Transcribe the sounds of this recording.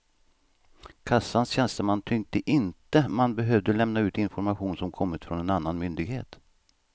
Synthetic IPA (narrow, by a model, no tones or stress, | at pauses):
kʰasːansɕɛnst̪əmant̪ʰʏŋt̪əʔɪnt̪əmanbɛɦøːvd̪əlɛmnaʉ̟ːt̪ɪnfɔɾmaɧuːnsɔmkʰɔmːɪt̪fɾɔnɛnanːanmʏnd̪ɪɡhḛːt̪